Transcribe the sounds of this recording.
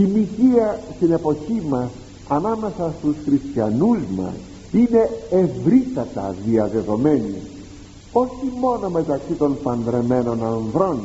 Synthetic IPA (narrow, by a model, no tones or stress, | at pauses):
imiçiɐst̪ine̞po̞çimɐs | ɐnɐme̞sɐst̪usxɾist̪çɐnuzmɐ̰s | ine̞evɾit̪ɐt̪ɐ̰ðiɐðe̞ðo̞me̞ni | o̞çimo̞no̞me̞t̪ɐksit̪o̞npɐnd̪ɾe̞me̞no̞nɐnðɾo̞n